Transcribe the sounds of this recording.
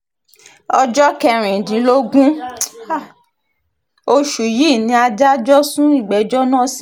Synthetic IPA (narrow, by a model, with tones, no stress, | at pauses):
ɔ˧d͡ʒɔ˦kɛ˧ɾ̃ĩ˨dĩ˨˦lo˦ɡũ˦ | o˧ʃu˨ji˦˨nĩ˧˦a˧d͡ʒa˦d͡ʒɔ˦sũ˦i˦˨ɡ͡bɛ˨d͡ʒɔ˦nã˦˨si˨